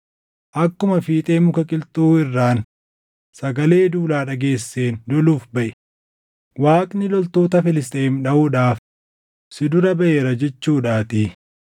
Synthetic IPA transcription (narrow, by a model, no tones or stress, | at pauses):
ʔɐkːʊmɐfiːt̪ʼe̞ːmʊkɐkʼɪlt̪ʼuːɪrːaːn | sɐɡɐle̞ːd̪uːlaːᶑɐɡe̞ːsːe̞ːnd̪ɔluːfbɐʔɪ̥ | waːkʼnɪlɔlt̪o̞ːt̪ɐfɪlɪs̬t̪ʼeːmᶑɐʔuᶑaːf | sɪd̪ʊɾɐbɐʔeːɾɐd͡ʒɛt͡ʃːuːᶑaːt̪iː